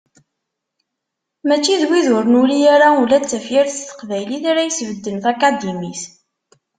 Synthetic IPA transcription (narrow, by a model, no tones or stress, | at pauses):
mæt͡ʃːiðwiðʊɾənulijaɾaulæt͡sːæfjiɾθt̪ə̥qvæjliθaɾæjəsvəd̪ːənθakad̪imis